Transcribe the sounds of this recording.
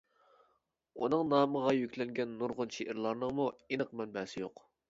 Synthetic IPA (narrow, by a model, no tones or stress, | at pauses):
unɨŋnɑːməʁɑjykʲlɛŋɡʲɛnːuɾʁʊnʃeʔɪɾlˠɑɾnəŋmuinəqmɛnbɛːsɪjoq